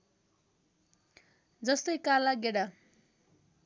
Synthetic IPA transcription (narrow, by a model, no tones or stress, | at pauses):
d͡zʌst̪ʌjkalaɡeɽa